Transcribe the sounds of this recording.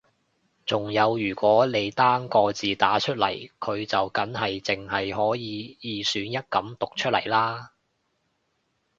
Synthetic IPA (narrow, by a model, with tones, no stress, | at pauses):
t͡sʊ˨ŋjɐ˨˧wjyː˨˩kʷwɔː˨˥le˨˧jt̪aː˥ŋkɔː˧t͡siː˨t̪aː˨˥t͡ʃʰɵ˥t̚lɐ̰˨˩jkʰɵ˨˧ɥt͡sɐ˨wkɐ˨˥nhɐ˨jt͡sɪ˨˩ŋɦɐ˨jɦɔː˨˥jiː˨˧jiː˨˧syː˨˥njɐ˥t̚kɐ˨˥mt̪ʊ˨k̚t͡ʃʰɵ˥lɐ̰˨˩jlaː˥